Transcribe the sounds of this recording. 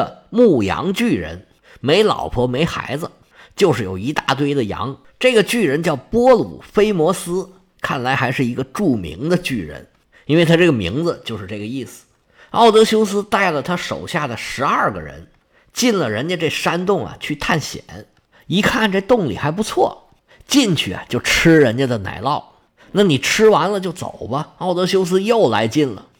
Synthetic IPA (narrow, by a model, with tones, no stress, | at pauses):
ə˧mu˥˩jɑ̰˧˥ŋt͡ɕy˥˩ɻə̰˧˥n | me˧˥ɪlɑ̰˨˩ʊpʰɔ˧˥me˧˥ɪxa̰˧˥ɪd͡z̩˧ | t͡ɕjo˥˧ʊʂɻ̩˥˩jo˨˩ʊi˧˥t̪a˥˧t̪̬we˥˧ɪd̪ə˨jɑ̰˧˥ŋ | ʈ͡ʂɤ˥˩ɡə˩t͡ɕy˥˩ɻə˧˥nt͡ɕjɑ˥˩ʊpwɔ˥lṵ˨˩fe˥ɪmwɔ˧˥sɹ̩˥ | kʰa˥˩nla˧˥ɪxa˧˥ɪʂɻ̩˥˩i˧˥ɡə˧ʈ͡ʂu˥˩mḭ˧˥ŋd̪ə˧t͡ɕy˥˩ɻə̰˧˥n | i˥nwe˥˩ɪt̪ʰa˥ʈ͡ʂɤ˥˩ɡə˩mḭ˧˥ŋd͡z̩˧t͡ɕjo˥˧ʊʂɻ̩˥˧ʈ͡ʂɤ˥˩ɡə˩i˥˩sɹ̩̥˩ | ɑ˥˩ʊt̪ɤ˧˥ɕjo˥ʊs̬ɹ̩˥t̪a˥˩ɪlə˩t̪ʰa˥ʂo̰˨˩ʊɕja˥˩d̪ə˩ʂɻ̩˧˥ɐ˞˥˩ɡə̰˩ɻə̰˧˥n | t͡ɕi˥˩nlə˩ɻə˧˥nt͡ɕə˥˧ʈ͡ʂe˥˩ɪʂa˥nt̪ʊ˥˩ŋɐ̰˨˩t͡ɕʰy˥˧t̪ʰa˥˩nɕjɛ̰˨˩˦n | i˧˥kʰa˥˩nʈ͡ʂe˥˧ɪt̪ʊ˥˩ŋlḭ˨˩xa˧˥ɪp̬u˧˥t͡sʰwɔ̰˥˩ | t͡ɕi˥˧nt͡ɕʰy˥˩ɐ̰˨t͡ɕjo˥˩ʊʈ͡ʂʰɻ̩˥ɻə˧˥nt͡ɕə˧d̪ə˨na̰˧˥˩ɪlɑ˥˩ʊ | na˥˩ni˨˩ʈ͡ʂʰɻ̩˥wa˧˥nlə˧t͡ɕjo˥˩ʊt͡so̰˨˩ʊbɐ˦ɑ˥˩ʊt̪ɤ˧˥ɕjo˥ʊs̬ɹ̩˥jo˥˩ʊla̰˧˥ɪt͡ɕi˥˩nlə̰˨˩